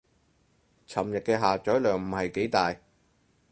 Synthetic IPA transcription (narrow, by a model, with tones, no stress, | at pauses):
t͡sʰɐ˨˩mjɐ˨t̚kɛː˧ɦaː˨t͡ʃɔː˨˥jlœː˨ŋm̩˨˩hɐ˨jke˨˥jt̪aː˨j